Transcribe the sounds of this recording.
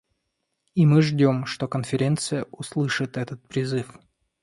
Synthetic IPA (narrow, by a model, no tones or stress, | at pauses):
imɨʐdʲo̞mʂt̪o̞kənfʲɪɾʲe̞nt̪sɨjəʊslˠɨʂɨt̪ɛt̪ət̪̚pɾʲɪzɨf